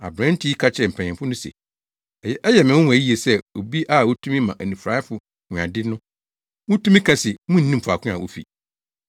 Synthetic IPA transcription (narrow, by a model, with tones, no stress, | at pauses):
a̰˨bɾã˦n̩˦tʰi˦i˦kʰa˦t͡ɕʰɛ˨m̩˨pʰɛ̃˨ɲɪ̃˨mfʊ˦nʊ̃˦sɛ̰˨ | ɛ˨jɛ˦ʔɛ˦jɛ˨mɪ̃˨wʊ̃˦wʊ̃˨æ˨˦i˦e˨sɛ˦o˨bi˦ʔa˦˨wo˦tʰũ˦mĩ˦mã˨ʔæ˨nũ˨fɾa˦fʊ˨ | hʊ̃˨ã̰˨dɪ˦nʊ̃˦ | wʊ̃˦tʰũ˦mĩ˦kʰã˦sɪ˨˦mũ˦n̩˨˦nĩ˦m˨pʰa˨kʰʊ̃˦ã˨ʔo˦fḭ˨